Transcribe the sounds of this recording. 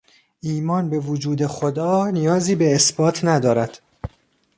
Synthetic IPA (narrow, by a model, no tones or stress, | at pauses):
ʔiːmɒːnbe̞vod͡ʒuːd̪e̞xod̪ɒːnijɒːziːbe̞ːsbɒːt̪ʰnæd̪ɒːɾæd̪̥